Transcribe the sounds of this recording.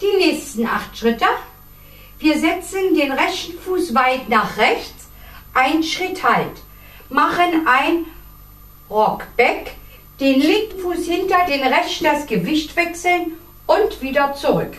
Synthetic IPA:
d̥iːnɛːçstn̩ʔa̰χtʃʁ̥ɪtə | viːɐzɛt͡səndeːnʁɛçn̩fuːsvaɪtnaːχʁɛçt͡s | ʔaɪnʃʁ̥ɪthalt | maχənʔaɪn | ʁɔkb̥ɛk | d̥eːnlɪŋkŋ̩fuːshɪntɐd̥eːnʁɛçd̥asɡ̥əvɪçtv̥ɛksl̩n | ʔʊntv̥iːdɐt͡suʁʏk

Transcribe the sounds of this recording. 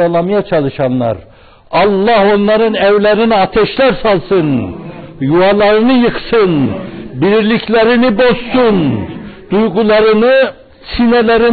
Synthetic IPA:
alˠɑmɯjat͡ʃʰɑlˠɯʃɑnlːˠɑ̰ɾ | ɑlˠːɑho̞nlˠɑɾɯnɛvlʲæɾiniɑt̪ʰɛʃlʲæɾsɑlˠsɯn | juɑlˠɑɾɯnɯjɯqsɯnbiɾilʲikʰlʲæɾinibo̞zsund̪ujɡulˠɑɾɯnɯ | sinɛlʲæɾi

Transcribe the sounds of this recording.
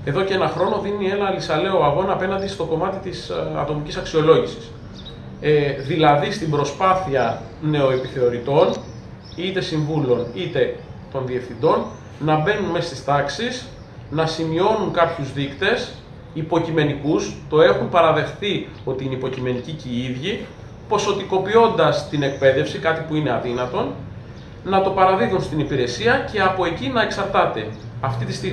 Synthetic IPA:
e̞ðo̞cee̞nɐxɾo̞no̞ðinie̞nɐlisɐle̞o̞ɐɣo̞nɐːpe̞nɐnd̪ist̪o̞ko̞mɐt̪it̪isɐ̰t̪o̞micisɐksio̞lo̞ʝisi̥s | ðilɐðist̪imbɾo̞spɐθiɐ | ne̞o̞epiθe̞o̞ɾit̪o̞n | it̪e̞siɱvulo̞nit̪e̞ | t̪o̞nðie̞fθind̪o̞nː | ɐbe̞nunme̞st̪ist̪ɐksis | nɐsimio̞nuŋkɐpçuzðikt̪e̞s | ipo̞cime̞nikust̪o̞e̞xumpɐɾɐðe̞xθi | o̞t̪iineipo̞cime̞niciceiðʝi | po̞so̞t̪iko̞pio̞nd̪ɐst̪ine̞k̚pe̞ðe̞fsikɐt̪ipuine̞ɐðinɐt̪o̞n | nɐt̪o̞pɐɾɐðiðunst̪inipiɾe̞siɐce̞ɐpo̞e̞cinɐe̞ksɐɾt̪ɐt̪e̞ | ɐft̪it̪ist̪i

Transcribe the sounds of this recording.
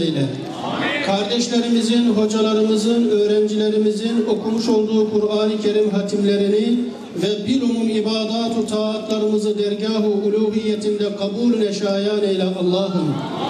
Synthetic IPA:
jlɛ̰ | kʰɑɾd̪ɛʃlʲeɾimizinɦo̞d͡ʒɑlˠɑɾɯmɯzɯnø̞ːɾɛnd͡ʒileɾimizino̞kʰumuʃo̞lˠd̪uːkʰuɾaːnicʰeɾimɦat̪ʰimleɾini | vɛbiɾumumibaːd̪aːt̪ʰut̪ʰaːt̪ʰlˠɑɾɯmɯzɯd̪ɛɾɟaːɦuuluːɦijːɛt̪ʰind̪ɛqɑbuːlnɛʃaːjaːnɛjlʲɛʔɑlˠːɑːɦɯm

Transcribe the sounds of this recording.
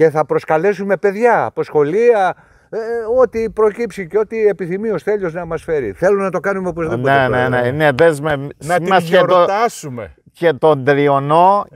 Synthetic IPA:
ce̞θɐpɾo̞skɐle̞sume̞pe̞ðʝɐ̰ːpo̞sxo̞liɐ | eo̞t̪ipɾo̞cipsiceo̞t̪iepiθimio̞sθe̞ʎoznɐmɐsfe̞ɾḭθe̞lunɐt̪o̞kɐnumeopozðipnoeneneneðezmenɐmɐset̪ot̪ɐsume | ce̞t̪ond̪ɾiono

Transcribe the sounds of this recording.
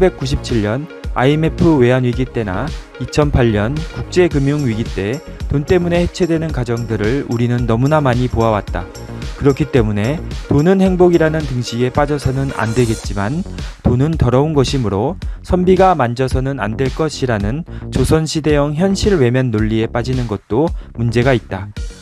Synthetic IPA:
be̞k̚k͈uɕʰip̚t͡ɕʰiʎːʌna̰ime̞pʰɯwe̞anɥiɡit͈e̞na̰ | it͡ɕʰʌnpʰaʎːʌnkuk̚t͡ɕ͈e̞kɯmjuŋɥiɡit͈e̞ | tont͈e̞mune̞he̞t͡ɕʰe̞dwe̞nɯnkad͡ʑʌŋdɯɾɯɭuɾinɯnːʌmunamaɲipoawat̚t͈a̰ | kɯɾʌkʰit͈e̞mune̞tonɯnhe̞ŋboɡiɾanɯntɯŋɕʰiɡe̞p͈ad͡ʑʌsʰʌnɯna̰ndwe̞ɡe̞t̚t͡ɕ͈imantonɯntʌɾʌunɡʌɕʰimɯɾosʰʌmbiɡamand͡ʑʌsʰʌnɯna̰ndwe̞ɭk͈ʌɕʰiɾanɯnt͡ɕosʰʌnɕʰide̞jʌŋçjʌnɕʰiɭwe̞mjʌnːoʎːie̞p͈ad͡ʑinɯnɡʌt̚t͈omund͡ʑe̞ɡait̚t͈a

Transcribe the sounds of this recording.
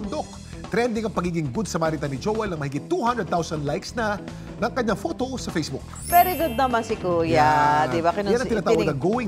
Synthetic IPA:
nd̪ok̚ | t̪ɾɛnd̪ɪŋɐŋpɐɡiːɡɪŋɡʊd̪sɐmaːɾit̪ɐnɪd͡ʒowɛlnɐŋmɐhɪɡɪt̪ːuhɐnd̪ɾəd̪̚t̪awsɐnd̪lajksnɐ | nɐŋkɐɲːaŋfot̪o̞sɐfejsbʊk̚ | vɛɾiɡʊd̪̚nɐmansɪkujad̪ɪbakɪnjanɐt̪ɪnaːt̪aːwɐɡd̪ɐɡowɪŋ

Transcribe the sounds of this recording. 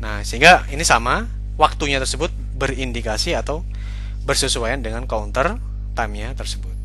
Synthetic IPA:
nahsəɦiŋɡainisama | wak̚t̪uɲat̪ərsəbʊt̪̚ | bərindikasiat̪aw | bərsəsuajandəŋankaunt̪ər | t̪amiat̪ərsəbʊt̪̚

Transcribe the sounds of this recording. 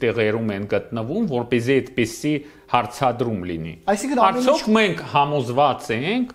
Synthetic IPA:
t̪ɛʁɛɾumɛnɡət̪nəvumvɔɾpɛziɛt̪pisi | hɑɾt͡sʰɑd̪ɾumlinḭɑjsikʰəɑɾt͡sʰjɔkʰmɛŋkʰhɑmɔzvɑt͡sɛŋkʰ

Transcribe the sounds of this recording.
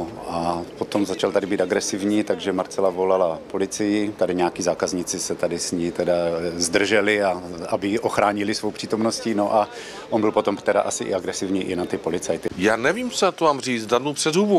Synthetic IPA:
apo̞t̪o̞mzat͡ʃalt̪adɪbiːt̪aɡɾɛsɪvɲiːt̪aɡʒɛmaɾt͡sɛlavo̞lalapo̞lɪt͡sɪjɪt̪adɪɲɛjakiːzaːkazɲɪt͡sɪsɛt̪adɪsɲit̪ɛdazd̪r̩ʒɛlɪaʔabɪʔoxɾaːɲɪlɪsvowpr̝̥iːt̪o̞mnoscino̞ʔa | ʔonbɪlpo̞t̪o̞mt̪ɛdaʔasɪʔɪ̰aɡɾɛsɪvɲiːʔɪnat̪ɪpo̞lɪt͡sajt̪ɪjaːnɛviːmsɛat̪omaːmriːt͡sdadnuwpr̥ɛdɦubu

